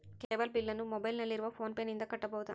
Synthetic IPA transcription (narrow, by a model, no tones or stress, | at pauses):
keeːbɐlbilːɐnumɔbɐjlnɐlːiɾʋɐpʰoːnpeːnind̪ɐkɐʈːɐbɔːwt̪a̰